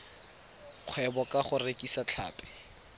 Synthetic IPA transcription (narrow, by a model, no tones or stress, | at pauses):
q͡χʰwɛbɔkaχʊrekʼisat͡ɬʰa̰ːpʼɛ̥